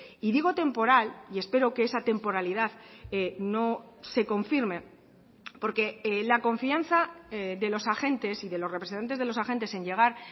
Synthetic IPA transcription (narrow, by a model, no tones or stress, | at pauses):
iðiɣ̞o̞t̪e̞mpo̞ɾalie̞spe̞ɾo̞keesat̪e̞mpo̞ɾaliðaðeno̞se̞ko̞ɱfiɾme̞ | po̞ɾke̞lako̞ɱfian̟θaeðe̞lo̞saxe̞nt̪e̞siðe̞lo̞srepɾesent̪ant̪zðe̞lo̞saxe̞nt̪e̞se̞ɲɟe̞ɣ̞aɾ